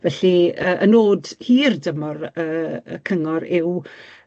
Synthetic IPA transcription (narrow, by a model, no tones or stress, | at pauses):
vɛɬiəːʔənoːdhiːrdəmɔrəːəkʰəŋɔɾɪw